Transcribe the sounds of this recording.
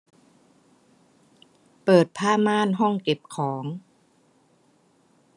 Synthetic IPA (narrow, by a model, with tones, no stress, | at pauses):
pɤː˨˩t̪̚pʰaː˥˩maː˥˩˨nɦɔ˥˩ŋke˨˩p̚kʰɔː˩˦ŋ